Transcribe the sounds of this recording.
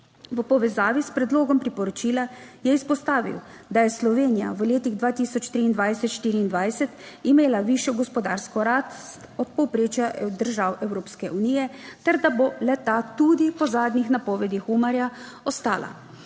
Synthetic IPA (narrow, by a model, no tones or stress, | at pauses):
ʋəpɔʋɛzaːʋispɾɛd̪loːɡɔmpɾipɔɾɔt͡ʃiːlajɛispɔst̪aːʋḭwd̪ajɛslɔʋeːnija̰ʋəleːt̪iɣd̪ʋaːt̪isɔt͡ʃt̪ɾiːnd̪ʋajsɛt̪ʃt̪iːɾiːnd̪ʋajsɛt̪ | imeːlaʋiʃjɔɡɔspɔd̪a̰ɾskɔɾat̪t̪ɔt̪̚pɔwpɾeːt͡ʃjad̪əɾʒaːwɛwɾoːpskɛʔuniːjɛt̪ɛɾd̪abolɛt̪at̪ud̪ipɔzaːd̪nixnapɔːʋɛd̪ixumaɾja | ɔst̪a̰ːla̰